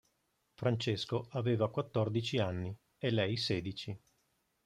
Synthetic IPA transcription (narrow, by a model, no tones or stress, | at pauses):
fɾant͡ʃeskoaveːvakwat̪ːɔrd̪it͡ʃianːi | elɛjseːd̪it͡ʃi